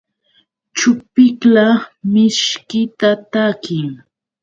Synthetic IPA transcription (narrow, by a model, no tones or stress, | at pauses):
t͡ʃʊpɪklamɪʃkɪt̪at̪akɪŋ